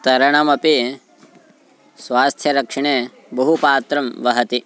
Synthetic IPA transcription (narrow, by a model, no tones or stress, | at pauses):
t̪ɐɾɐɳɐmɐpi | sʋaːst̪ʰjɐɾɐkʂɐɳe | bɐɦupaːt̪ɾɐmʋɐɦɐt̪i